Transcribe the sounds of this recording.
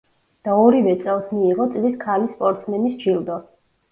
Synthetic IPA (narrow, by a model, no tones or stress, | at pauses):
d̪̥aɔɾivɛt̪sʼɛlˠsmiːʁɔt̪sʼliskʰalispʼɔɾt̪sʰmɛnisd͡ʒilˠd̪ɔ